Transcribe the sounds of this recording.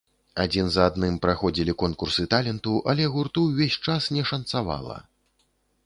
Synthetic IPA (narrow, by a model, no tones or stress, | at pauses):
ad͡zʲinzad̪nɨmpɾaxɔd͡zʲilʲikɔnkursɨt̪alʲɛnt̪uʔɐlʲɛɣurt̪uwvʲesʲt͡ʂasnʲɛʂɐnt̪sava̰lˠɐ̰